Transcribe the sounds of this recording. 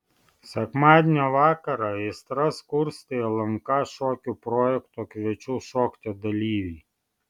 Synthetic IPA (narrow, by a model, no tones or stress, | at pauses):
sʲɛkmɑːd̪ʲnʲɛʋɑːkɐɾɐɪst̪ɾɐskʊɾsʲt̪ʲejɛlˠɐŋkɐʃɔːkʲupɾɔːjɛkt̪okʋʲɛt͡ʃʲuʃɔːkt̪ʲɛd̪ɐlʲiːʋʲi